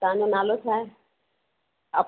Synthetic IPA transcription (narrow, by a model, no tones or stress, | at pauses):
t̪ãːɲonaːlot͡ʃʰaːe | əp